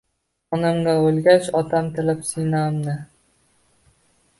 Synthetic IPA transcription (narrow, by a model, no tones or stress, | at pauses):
ɒnamɡaolɡʲaʃɒt̪ʰamt̪ʰɪlɪpsinamnɪ